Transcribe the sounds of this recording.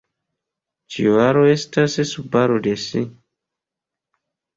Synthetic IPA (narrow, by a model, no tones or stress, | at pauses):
t͡ʃḭvaɾoestassubaɾodesi